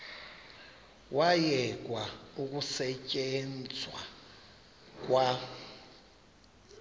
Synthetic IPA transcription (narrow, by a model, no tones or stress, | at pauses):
wajɛkʼwauk̬ʼusɛcʼend͡zʱwa̰ | kʼwa